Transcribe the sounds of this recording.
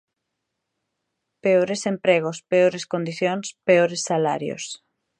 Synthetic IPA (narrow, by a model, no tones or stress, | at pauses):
peoɾesempɾeɣ̞ospeoɾeskond̪iθjoŋspeoɾesːala̰ɾjo̰s